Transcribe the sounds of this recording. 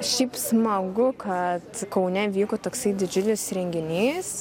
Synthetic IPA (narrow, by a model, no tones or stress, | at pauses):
ʃʲɛɪpsmɐɡʊkʰɐt̪kɐʊnʲɛʋʲiːkot̪oːksɐɪd̪ʲɪd͡ʒʲʊlʲɪsɾʲɛŋʲɡʲɪnʲiːs